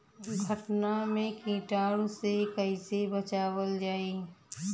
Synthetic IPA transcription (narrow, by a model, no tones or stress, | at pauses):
ɡʱəʈnamẽkĩːʈaːɽsekəisebət͡ʃaːwəld͡ʒaːeː